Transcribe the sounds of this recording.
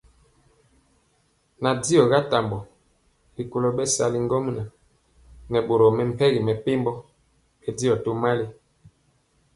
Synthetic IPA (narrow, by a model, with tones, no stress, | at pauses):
na˨di˦jɔ˨ɡa˦ta˨mbɔ˨ | li˨ko˨lo˦ɓɛ˦sa˨li˦ŋ˦ɡɔ˦m˦na˨ | nɛ˨ɓo˨ɾɔ˨mɛ˨m̩˨pɛ˦ɣi˨mɛ˨pe˦mbɔ˦ | ɛ˦di˦jɔ˨to˦ma˦li˦